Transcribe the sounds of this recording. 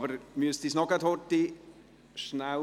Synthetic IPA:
vəɾmiəsd̥isnɔɡatʰoːrti | ʃna

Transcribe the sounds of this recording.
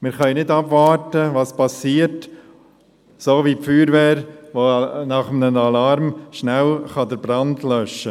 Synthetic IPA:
mɪɾχœɪnɪdɑbvɑːɾtəʋɑːspɑsiːəɾt | soːʋipfyːɾʋɛːɾʋonɑχəmnənɑlɑɾmʃnælχɑd̪əɾbɾɑndlœʃːə

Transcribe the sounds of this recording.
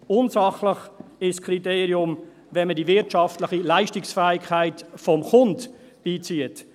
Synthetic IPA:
ʊnsɑχləχɪʃskʰriteːɾiʊm | vɛnmədivɪɾtʃɑftləχilaɪʃtɪksfæːɪkʰχaɪtfɔmχʊnt | b̥iːt͡siət

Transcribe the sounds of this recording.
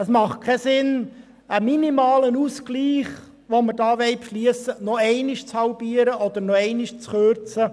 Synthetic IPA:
əsmɑχt̚kʰɛsɪn | əminimɑːlənuskliːχ | ʋomədɑːʋɛɪpʃliəsənɔɛɪnɪʃt͡shɑʊbiːəɾəʔɔd̪əɾnɔɛɪnɪʃt͡sχøɾt͡sə

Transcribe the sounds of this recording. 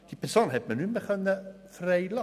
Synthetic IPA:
d̥ipərsoːnɦɛt̚mənybəχənə | frɛjlɑ

